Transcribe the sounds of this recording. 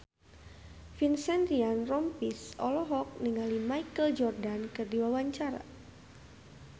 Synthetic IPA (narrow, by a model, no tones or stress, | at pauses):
finsɛnd̪ɾianrɔmpisɔ̰lɔɦɔk̚niŋalimajkəld͡ʒɔrdankərdiwawaɲt͡ʃaɾa̰